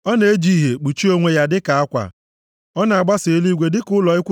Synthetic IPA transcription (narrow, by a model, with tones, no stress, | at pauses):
ɔ˦ne˨e˦d͡ʒi˦ɦe˨k͡pu˨t͡ʃi˦o˦ŋʷe˦ja˦dɪ˦ka˨a˦kʷa̰˨ | ɔ˦na˨a˨ɡ͡ba˦se˨e˦li˦ɡʷe˨˦dɪ˦kʊ˦lɔ˨ɪ˦kʷʊ˦